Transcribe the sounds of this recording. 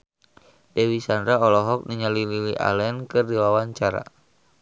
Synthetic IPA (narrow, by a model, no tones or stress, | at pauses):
dɛwisandɾaɔlɔɦɔk̚niɲalililiʔa̰lɛnkɨrdiwawaɲt͡ʃaɾa̰